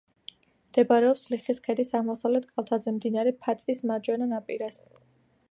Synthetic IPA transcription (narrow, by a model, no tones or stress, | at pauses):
md̪̥ɛbaɾɛɔpsliχiskʰɛd̪isamɔsavlɛt̪ʰkʼalˠt̪ʰazɛmd̪inaɾɛpʰat̪sʼismad͡ʒʼwɛnanapʼiɾas